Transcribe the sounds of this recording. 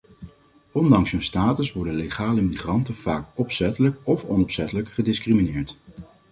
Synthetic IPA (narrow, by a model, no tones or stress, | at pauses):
ɔndɑŋsɦɵnstaːtəsʋɔɹdənleχaːləmiχrɑntənv̥aːkɔpsɛtələkɔfɔnɔpsɛtələkχədɪskriminɪːɹt